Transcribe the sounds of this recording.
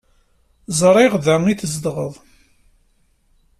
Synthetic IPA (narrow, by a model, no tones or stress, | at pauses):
zˤɾˤɪʁðæŋiθəzd̪ʁəðˤ